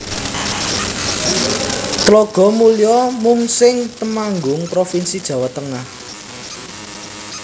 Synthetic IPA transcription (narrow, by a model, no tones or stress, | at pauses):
t̪loɡ̥ɔ̤mulijɔmuŋsɪŋt̪əmaŋɡʊŋpɾofinsid̥ʒ̥ä̤wat̪əŋah